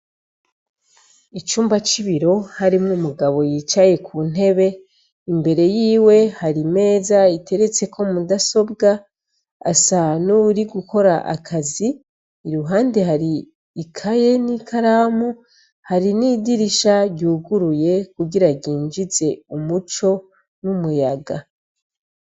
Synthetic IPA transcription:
it͡ʃuːmbat͡ʃiβiɾo̞haɾimŋumuɡaβo̞jiːt͡ʃaje̞kʰun̥e̞βe̞ | imbe̞ɾe̞jiːwe̞haɾime̞ːzaitʰe̞ɾe̞t͡se̞kʰo̞mudaso̞bɡa | a̰sanuɾiɡuko̞ɾaʔa̰kʰaziː | ɾuɦaːnde̞ɦaɾiː | kʰaje̞nikʰaɾaːmu | haɾinidiɾiʃaɟuːɡuɾuje̞kuɡiɾaɟiːnd͡ʒize̞umut͡ʃo̞ | numujaɡa

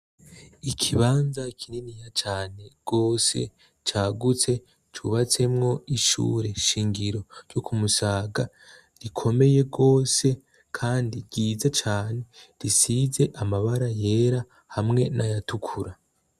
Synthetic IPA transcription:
ikʰiβaːnzakʰininijat͡ʃaːne̞ɡ̥o̞ːse̞̰ | t͡ʃaːɡut͡se̞ | t͡ʃṵβat͡se̞mŋo̞iʃṵːɾe̞ʃiːŋɡiɾo̞ɾjokumusaːɡa | ɾikʰo̞me̞je̞ɡo̞ːse̞ | kʰaːndiɡiːzat͡ʃaːne̞ɾisize̞ʔamaβaɾaje̞ːɾa | hamŋe̞nʔajatukʰuɾa

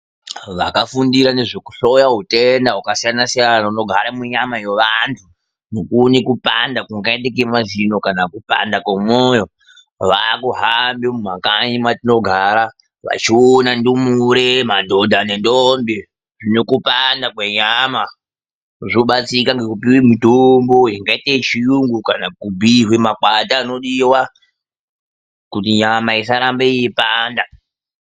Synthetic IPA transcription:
ʋakafundiɾane̞ʐoku̥ɬojaɦutendaɦukasijanasijanauno̞ɡʱaɾamuɲamajeʋantʰu | nokunikupa̰ndakuŋɡaetekemazino̞kanakupa̰ndakwamojo̞ | ʋakuɦambimumakaɲimatino̞ɡʱaɾa | ʋa̰t͡ʃionandumuɾemandʱodʱane̞ndombe | ʐinokupandakweɲama | ʐoɓat͡sikaŋɡekupiwemitomboiŋɡaitet͡ʃijuŋɡukanakubʱiɦwemakwataːno̞ɗiwa | kutiɲamaisaɾambeijepaːnda

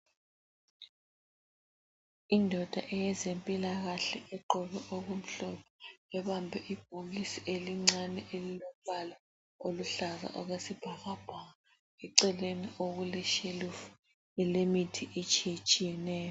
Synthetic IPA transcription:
indʱɔd̥ʱaʔɛjɛzempʼilaɣaɬɛɛǃɔβɛʔoɣum̩ɬɔpʰɔ̥ɛβambʱɛʔib̥̚ʱolisiʔeliŋ͡ǀanɛʔelilɔβala | oluɬaza̰ʔɔɣwesib̥ʱaɣab̥ʱaŋa | ɛǀɛleniʔoɣulɛʃeluf | ɛlemitʰiʔet͡ʃʼijet͡ʃʼijɛnɛːjɔ

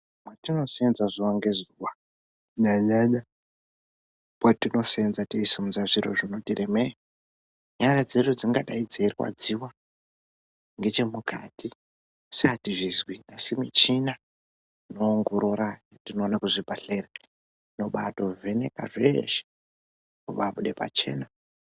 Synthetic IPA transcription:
mwatino̞senzazuwaŋɡe̞zuwa | ɲaɲaɲa | mwatino̞senzateisimuzaʐiro̰ʐino̞tireme | ɲaɲad͡zeɗud͡ziŋɡaɗaid͡zeiriwa̰d͡ziwa | ŋɡe̞t͡ʃe̞muka̰ti | satiʐizwiasimit͡ʃina | ino̞ːŋɡo̞ɾoɾajatino̞ːnakuʐibʱaɬera | ino̞ɓato̞ve̞neka̰ʐeʃe̥ | kuʋaɓuɗe̞pa̰t͡ʃe̞̰ːna

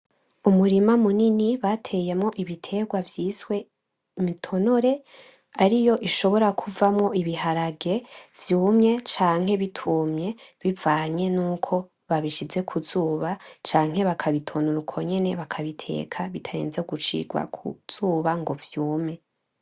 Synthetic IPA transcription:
umuɾimamuniniβatʰe̞jemŋo̞ʔiβitʰe̞ːɡwavjiːswe̞ | mitʰo̞noɾe̞ | aɾijo̞ʔiʃo̞βo̞ɾakʰuvamŋo̞ʔiβiɦaɾaɡe̞vjuːmɲe̞t͡ʃaːŋ̥he̞βitʰumɲe̞βivaːɲe̞nuːkʰo̞ | βaβiʃize̞kʰuzuːβat͡ʃaːŋ̥ɦe̞βakʰaβitʰo̞noɾukʰo̞ɲe̞ne̞βakʰaβitʰe̞̰ːkʰaβitʰaje̞̰ːnzeɡut͡ʃḭɡwa̰kʰṵz̥uːβaŋɡo̞vjuːmɲe̞

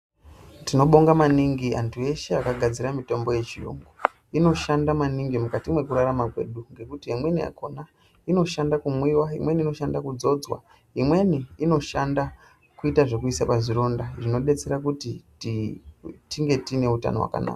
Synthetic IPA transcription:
tino̞ɓo̞ŋɡamaniŋɡia̰ntʰue̞ʃeakaɡʱad͡ziɾamito̞mbo̞je̞t͡ʃijṵŋɡu | ino̞ʃandamaniŋɡimukatimwe̞kuɾaramakwe̞̰ɗuŋɡe̞kutiemwe̞nia̰ko̞na | ino̞ʃandakumwiwaimwe̞niino̞ʃandakud͡zo̞d͡zwa̰ | imwe̞niːno̞ʃanda | kuitaʐe̞kuisapaziɾo̞ndaʐino̞ɗe̞t͡se̞ɾakuti | tiŋɡe̞tine̞uta̰no̞wa̰ka̰na̰ːka

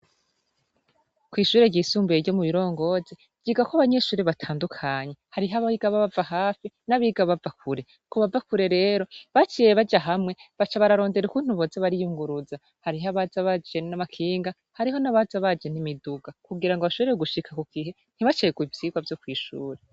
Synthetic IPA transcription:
kwiːʃuːɾe̞ɟiːsuːmbueɾɟo̞muβiɾo̞ːŋɡo̞ze | vɟiːɡakoaβaɲe̞ʃuːɾeβatʰaːndukʰaɲe̞haɾiɦaβaiɡaβaβavaɦaːfinaβiɡaβavakʰuɾe̞ | koβavakuɾe̞ɾe̞ːɾo̞βat͡ʃiːje̞βad͡ʒaɦamŋe̞βat͡ʃaβaɾaɾo̞ːnde̞ɾukun̥huβozaβaɾijuŋɡuɾuza | haɾiɦaβazaβad͡ʒe̞namakʰiːŋɡa | haɾiɦo̞naβazaβad͡ʒe̞nimiduɡakuɡiɾaŋɡoβaʃoβeɾeɾeɡuʃikʰakuɡ̥iɦe̞ | n̥iβat͡ʃeeɡuivjiːɡwavjo̞kwiːʃṵːɾe

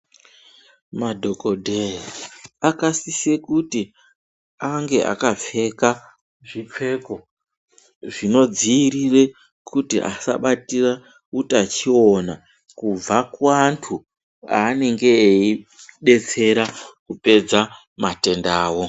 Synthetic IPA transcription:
madʱo̞ko̞dʱeiakasisekuti | aŋɡe̞ʔa̰kafe̞ka | ʐip͡fe̞ko̞ | ʐino̞d͡ziːɾire̞ | kutiʔa̰sa̰ɓatira | utat͡ʃio̞na | kub͡vakwantʰu | a̰ːne̞ŋɡe̞ːiɗe̞t͡se̞ɾakupe̞d͡za | mate̞ndaːwo̞

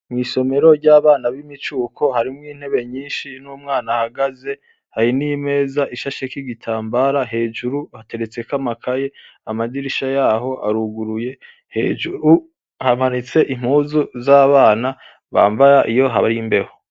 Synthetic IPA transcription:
mŋiːso̞me̞ɾo̞ɾɟaːβaːnaβimit͡ʃuːkʰo̞haɾimŋiːn̥he̞βe̞ɲiːnʃinuːmŋaːnahaɡaze̞ | haɾinime̞ːzaʔiʃaʃekiɡitʰaːmbaːɾaɦe̞ːd͡ʒuɾuhate̞ɾe̞t͡se̞kamakʰaje̞amadiɾiʃajaːɦo̞ʔa̰ɾuɡuɾuje̞ | hed͡ʒuɾu | hamanit͡se̞ʔim̥huːzuzaːβaːna | βa̰ːmbajaʔijo̞ɦaβaɾimbe̞ho

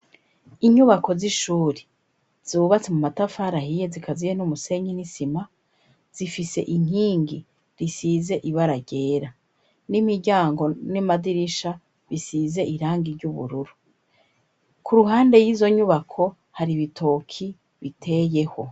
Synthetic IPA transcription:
iɲuβako̞ziʃuːɾe | z̥uːβat͡semumatafaɾahijezikʰazijenumuse̞ɲinisima | z̥ifise̞̰ʔiŋ̥iːŋɡi | ɾisize̞ʔiβaɾaɟe̞ːɾa | nimiɾɟaːŋɡo̞nimadiɾiʃa | βisiːze̞ʔiɾaːŋɡiɾɟuβṵɾuɾu | kʰuɾuɦaːnde̞jizo̞ɲuβakʰo̞ | haɾiβitʰo̞ːkʰi | βitʰe̞je̞ho̞

